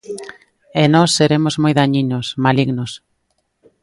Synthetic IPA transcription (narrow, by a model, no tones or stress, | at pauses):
enɔsːeɾemozmojðaɲinosmaliɣnos